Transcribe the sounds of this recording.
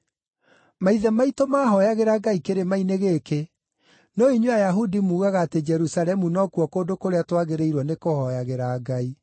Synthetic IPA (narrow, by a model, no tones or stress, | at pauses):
maiðɛmaitomaːɦɔjaɣeɾaɡaikeɾemaineɣeːke | noiɲwajaɦudimuːɣaɣaːted͡ʒɛɾusalɛmunɔkuɔkoːndokoɾeatwaɣeɾeiɾwɔnekohɔjaɣeɾaɡai